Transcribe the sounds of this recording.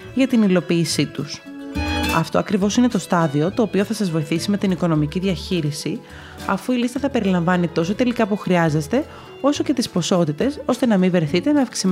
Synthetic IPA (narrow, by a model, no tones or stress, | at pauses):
ʝɐt̪inilo̞piːsit̪us | ɐ̰ft̪oɐkɾivo̞sine̞t̪o̞st̪ɐðio̞t̪o̞ːpio̞θɐsɐzvo̞iθisime̞t̪iniko̞no̞miciðʝɐçiɾisi | ɐfuilist̪ɐθɐpe̞ɾilɐɱvɐnit̪o̞so̞t̪e̞likɐpuxɾiɐze̞st̪e̞ | o̞so̞ce̞t̪ispo̞so̞t̪it̪e̞so̞st̪e̞nɐmiveθit̪e̞nɐːfksim